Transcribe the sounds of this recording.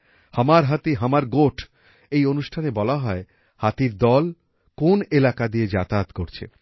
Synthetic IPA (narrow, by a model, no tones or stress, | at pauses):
hamaɾɦat̪iɦamaɾɡoʈʰ | ejonuʃʈʰanebɔlaɦɔe | hat̪iɾd̪ɔl | konelakad̪ied͡ʑat̪at̪koɾt͡ɕʰḛ